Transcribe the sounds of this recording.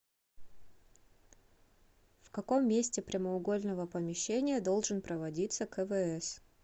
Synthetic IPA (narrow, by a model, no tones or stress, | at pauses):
fkɐko̞mːʲesʲtʲɪpɾʲɪməʊɡo̞lʲnəvəpəmʲɪɕːenʲɪjəd̪o̞lˠʐɨnpɾəvɐdʲit̪səkəvɛɛs